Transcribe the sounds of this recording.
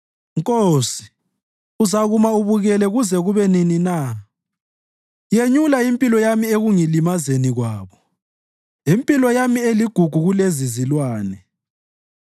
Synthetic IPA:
ŋkʼoːsi̥ | uzaɣumauβuɣɛlɛɣuzɛɣuβɛninina | jeɲulaimpʼilɔjamieɣuŋilimazeniɣwaːβɔ | impʼilɔjamieliɡ̥ʱuɡ̥ʱuɣulezizilwaːnɛ

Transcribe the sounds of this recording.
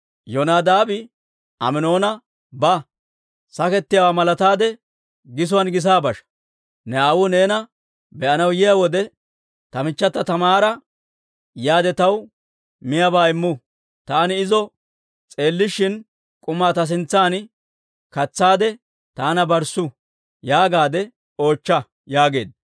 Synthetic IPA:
jɔnaːd̪aːbɪ | ʔɐ̰mɪno̞ːnɐ | bɐ | sɐkɛt̪ːɪjawaːmɐlɐt̪aːd̪ɛ | ɡɪs̬ʊwɐnɡɪs̬aːbɐʃɐ̥ | nɛaːwʊne̞ːnɐ | bɛʔɐnɐwjɪjawɔd̪ɛ | t̪ɐmɪt͡ʃːɐt̪ːɐt̪ɐmaːɾɐ | jaːd̪ɛt̪ɐw | mɪjɐbaːɪmːʊ | t̪aːnɪɪzɔ | t͡sʼe̞ːlːɪʃɪn | kʼʊmːaːt̪ɐs̬ɪnt͡sːaːn | kɐt͡sːaːd̪ɛ | t̪aːnɐbɐɾsʊ | jaːɡaːd̪ɛ | o̞ːt͡ʃːɐ | jaːɡe̞̰ːd̪

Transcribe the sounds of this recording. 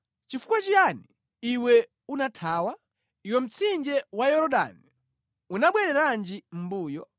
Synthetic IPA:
t͡ʃifu̥kwat͡ʃiani | iwɛ | unatʰaːwa | iwɛm̩t͡sʰind͡ʒɛwajɔɾɔɗa̰ni | unaɓwɛɾɛɾand͡ʒim̩buːjɔ

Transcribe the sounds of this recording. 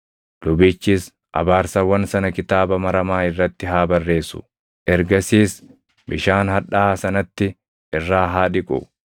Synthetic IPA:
lʊbɪːt͡ʃːiːs | ʔɐ̰baːɾsɐwɐnsɐnɐkɪt̪aːbɐmɐɾɐmaːɪrːɐt̪ːɪɦaːbɐrːe̞ːsʊ̥̰ | ʔɛɾɡɐsiːs | bɪʃaːnhɐᶑaːsɐnɐt̪ːɪ | ʔɪrːaːɦaːᶑɪkʼʊ̰

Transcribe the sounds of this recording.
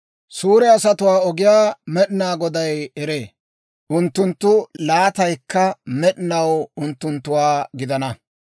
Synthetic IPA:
suːɾɛɐsɐt̪ʊwaːɔɡɪjaːmɛɗɪnaːɡɔd̪ɐjɛɾeː | ʔʊnt̪ːʊnt̪ːʊlaːt̪ɐjkːɐmɛɗɪnɐwʊnt̪ːʊnt̪ːʊwaːɡɪd̪ɐnɐ

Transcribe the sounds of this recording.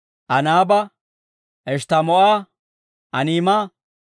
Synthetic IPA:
ʔɐnaːbɐ | ɛʃt̪ɐmɔʔaː | ʔɐniːma

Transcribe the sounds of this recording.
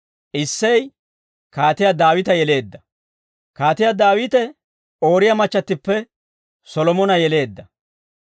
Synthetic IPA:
ʔɪsːɐj | kaːt̪ɪjɐd̪aːwɪt̪ɐjɛle̞ːd̪ːɐ | kaːt̪ɪjɐd̪aːwɪt̪ɛ | o̞ːɾɪjɐmɐt͡ʃːɐt̪ːɪpːɛ | sɔlɔmɔnɐjɛle̞ːd̪ːɐ

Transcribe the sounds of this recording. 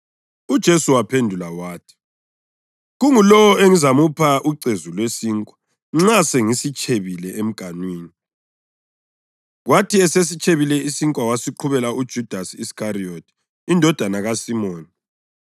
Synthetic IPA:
ud̥ʒ̥ʱesuwapʰendʱulawaːtʰi̥ | ɣuŋulɔwɔeŋizamupʰaʔuǀezulwesiːŋkʼwḁ | ŋ͡ǁaseŋisit͡ʃʼʰeβilɛʔem̩ɡ̥ʱanwiːni | ɣwatʰiɛses̬it͡ʃʰʼeβilɛisiŋkʼwawasiǃʰuβɛlaud̥ʒ̥ʱud̥ʱasiiskʰʼariotʰi̥ | indʱɔd̥ʱanaɣasimoːni

